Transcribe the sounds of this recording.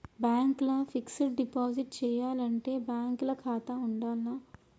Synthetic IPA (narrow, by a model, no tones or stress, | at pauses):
bjaːŋklɐfʰikseʈ̚ɖipaːd͡ʒiʈt͡ʃɛːjaːlɐɳʈeːbjaːŋklɐkʰaːt̪ɐuɳɖaːlnɐ